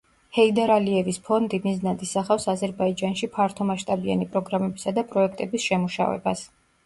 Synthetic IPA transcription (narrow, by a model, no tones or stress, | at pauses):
hɛid̪aɾaliɛvispʰɔnd̪imiznat̪isaχafsazɛɾbaid͡ʒanʃipʰaɾt̪ʰɔmaʃt̪ʼabia̰nipʼɾɔɡɾamɛbisad̪apʼɾɔɛk̚ʰt̪ʼɛbisʃɛmuʃa̰vɛ̰ba̰s